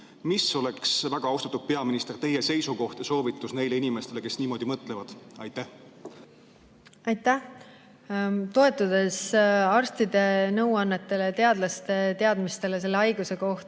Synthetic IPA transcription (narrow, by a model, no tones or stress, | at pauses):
miso̞leksvæɡ̥ɑɑwst̪ɑt̪ːud̪̥̚pe̞ɑminist̪e̞rt̪e̞jese̞jsuko̞ht̪jɑso̞ːvit̪ːˑusne̞jleinime̞st̪e̞le̞ke̞sniːmo̞ːd̪̥imɤt̪ːˑlevɑd̪̥ɑjt̪ːæh | ɑjt̪ːˑæh | t̪o̞e̞t̪ːˑud̪̥e̞sɑrst̪id̪e̞nɤwɑnːet̪ːˑe̞let̪e̞ɑd̪lɑst̪e̞t̪e̞ɑd̪̥mist̪e̞le̞s̬e̞lːe̞ɑjɡ̥use̞ko̞ht̪